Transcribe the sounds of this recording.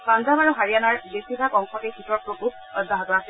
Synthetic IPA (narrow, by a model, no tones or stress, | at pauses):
kanzamaɹuɦaɹijanaɹbesibʱakɔŋxʰɔtekitɔɹpɹokub̚ | ɔdʱaɦɔtɔasɛ